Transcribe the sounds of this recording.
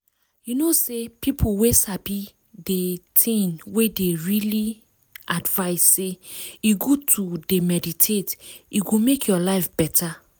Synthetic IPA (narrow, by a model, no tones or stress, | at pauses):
junosepipʰuwesabi | detʰĩnwedeɹili | advaɪsːejiɡotʰudemɛditʰetiɡomekʰjɔlaɪfb̥ɛtʰa